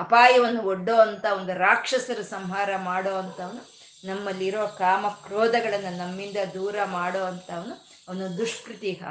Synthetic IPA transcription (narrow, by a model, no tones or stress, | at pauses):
ɐpaːjɐʋɐnːuoɖːoːɐnt̪ɐond̪uɾaːkʂɐsɐɾusɐmɦaːɾɐmaːɽoːʋɐnt̪ɐɐʋɐnu | nɐmːɐlːiiɾoːɐkaːmɐkɾoːd̪ɐɡɐɭɐnːɐnɐmːind̪ɐd̪uːɾɐmaːɽoːɐnt̪ɐʋɐnu | ɐʋɐnud̪uʂpɾut̪iːɦɐ̰